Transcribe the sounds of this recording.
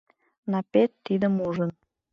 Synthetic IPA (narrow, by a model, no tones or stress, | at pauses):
nɑpet̪ːid̪əmuʒən